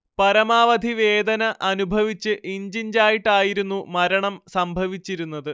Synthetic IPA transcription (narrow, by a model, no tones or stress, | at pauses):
pɐɾɐmaːʋɐd̪ʱiʋe̞ːd̪ɐnɐʔɐnubʱɐʋit͡ɕːɨʔiɲd͡ʑiɲd͡ʑaːjiʈːaːjiɾunːumɐɾɐɳɐmsɐmbʱɐʋit͡ɕːiɾunːɐðɨ